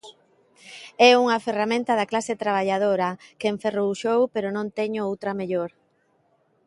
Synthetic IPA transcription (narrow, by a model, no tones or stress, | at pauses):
ɛuŋɐferamẽnt̪ɐðaklaset̪ɾaβaʎað̞oɾɐkeɱferoʃowpeɾonõnt̪ɛɲʊowt̪ɾɐmeʎoɾ